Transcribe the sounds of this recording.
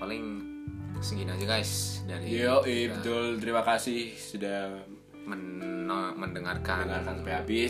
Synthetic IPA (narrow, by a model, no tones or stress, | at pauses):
palɪŋ | səŋɡinad͡ʒuɡajsdaɾioʔibət̪ʊlt̪əɾimakasɪhsuda | mən | məndəŋarkadnəŋarkanpeabɪ